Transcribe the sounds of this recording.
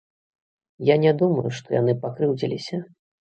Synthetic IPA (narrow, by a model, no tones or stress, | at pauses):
janʲɛd̪umɐjuʂt̪ɔja̰n̪ɨpakɾɨwd͡zʲilʲisʲɐ